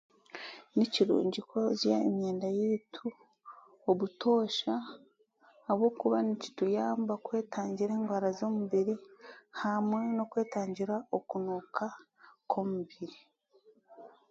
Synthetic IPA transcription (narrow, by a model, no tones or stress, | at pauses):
niciɾṵːɲɟikʰozjaeɲɲeːndajitʰu | oβutʰo̞ːʃaː | βwo̞kuβanici̥tujaːmbakwe̞ːtaːɲɟiɾe̞ːŋɡwaːɾazo̞muβiɾihamwe̞no̞kwe̞ːtaːɲɟiɾaokunuːkʰa | kʰo̞muβiɾi